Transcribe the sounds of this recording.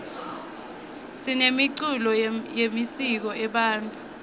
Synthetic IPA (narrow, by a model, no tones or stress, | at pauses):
sinemiǀulɔjemisik̬ɔʔɛɓaːntʰʼu